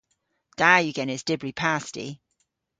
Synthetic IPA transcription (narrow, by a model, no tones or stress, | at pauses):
d̥aːjəɡɛnɪsd̥ɪbɹipʰaˑstḭ